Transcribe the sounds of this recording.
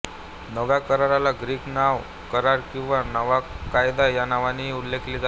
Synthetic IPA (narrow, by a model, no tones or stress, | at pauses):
nəʋjakəɾaɾalaɡɾiːknaʋ | kəɾaɾkĩw̃ʋanəʋakajd̪ajanaʋaniulːekliːd͡za